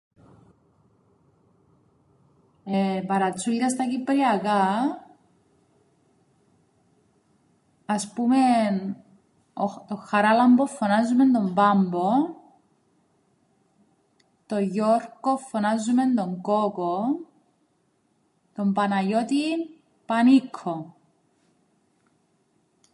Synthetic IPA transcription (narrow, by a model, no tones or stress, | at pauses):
epɐɾɐt̪t͡suld̪ɐst̪ɐcipɾiɐkɐ | ɐspumen | ot̪oxɐɾɐlɐmbofːonazːume̞nd̪ombɐmbo | t̪oʝoɾkofːonazːume̞nd̪oŋkoko | t̪ombɐnɐʝot̪in | pɐnikʰːo